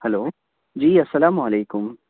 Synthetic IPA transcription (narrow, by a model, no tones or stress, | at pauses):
hɐloː | d͡ʒiːɐsːɐlaːmʊɐleːkʊm